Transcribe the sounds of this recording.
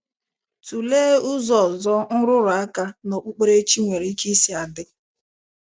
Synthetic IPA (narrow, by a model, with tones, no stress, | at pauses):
tu˨leː˦ʊ˦zɔ˨zɔ˦ŋ̩˦ɾʊ˦ɾʊ˨a˦ka˦no˨k͡pu˦k͡pe˦ɾe˦t͡ʃi˦ŋʷe˨ɾi˦ki˦si˦a˨dɪ˦